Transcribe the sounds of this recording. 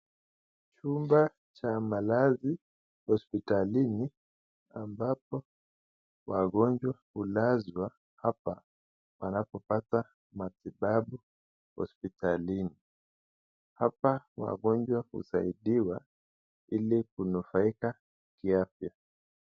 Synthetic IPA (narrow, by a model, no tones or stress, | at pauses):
t͡ʃumba | t͡ʃamalazi | hɔspitalini | ambapɔ | waɠɔnd͡ʒwahulazwa | hapa | wʔa̰napɔpata | matiɓaɓu | hɔ̰spitalini | hapawa̰ɠɔnd͡ʒwahṵsa̰iɗiwa | ilikunufaika | kiafja